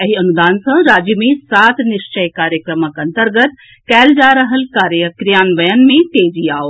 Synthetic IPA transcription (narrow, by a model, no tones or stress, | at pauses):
ɐɦiɐnud̪aːnsɐ̃ɾaːd͡ʒjəmẽsaːt̪ʰnɪʃt͡ʃəjkaːɾjəkɾəməkɐ̃nt̪əɾɡət̪ | kɛːld͡ʒaːɾɐɦəlkaːɾjəkɾijaːnʋɐjənmẽt̪eːd͡ʒiaːoː